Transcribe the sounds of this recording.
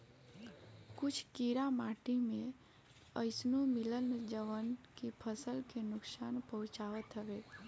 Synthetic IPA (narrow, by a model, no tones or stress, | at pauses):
kʊt͡ʃʰkiɾamaʈimẽ | əɪsnumiləld͡ʒəʋənkipʰəsəlkenʊksaːnpəɦʊ̃t͡ʃaʋət̪ɦəʋe